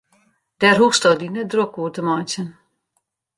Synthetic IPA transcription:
d̥ɛrɦustɔdinədrokuətəmɔjt͡sən

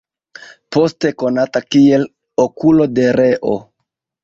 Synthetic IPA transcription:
po̞ste̞ko̞natakie̞l | okulo̞de̞ɾe̞ʔo̞̰

